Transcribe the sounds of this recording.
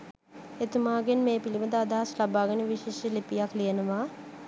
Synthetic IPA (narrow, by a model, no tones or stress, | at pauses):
et̪umaːɡenmeːpiliməd̪əad̪aɦɐslabaːɡɐnəʋiʃeʃəlipijaklijenəʋaː